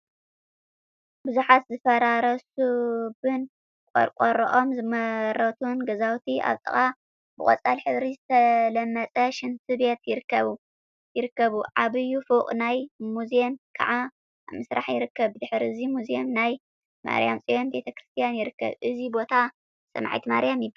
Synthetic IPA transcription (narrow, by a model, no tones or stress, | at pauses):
bɨzuħat̪zɨfɐɾaɾɐsubɨn | kʷʼo̰ɾkʼoɾɐ̰ʔo̞mzɨmɐɾɐt̪ʰunɡɐzawt̪ʰiʔa̰βt̪ʼɨ̰χʼa | bɨχʼɐ̰t͡sʼalħɨβɾizɨt̪ʰɐlɐmːɐt͡sʼɐʃɨnt̪ʰɨbe̞t̪jɪɾɨkʰːɐβu | jɪɾɨkːɐβuʕaβɨjːufoχʼnajmuzeemkʰa̰ʕa | mɨsɾa̰ħjɪɾɨkːɐbd̪ɨħɾɨzimuzeemnaj | ma̰ɾja̰msʼijo̞mbe̞t̪ʰɐkɾɨst̪ʰijanjɪɾɨkːɐ̰βʔɨzibo̞t̪ʰa | sɐ̰ma̰ʕḭt̪ma̰ɾjamjɪb